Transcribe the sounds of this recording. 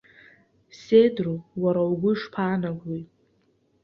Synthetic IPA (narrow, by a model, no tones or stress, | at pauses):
sedruwaɾawɡʷʊʂpʰaːnaɡʷi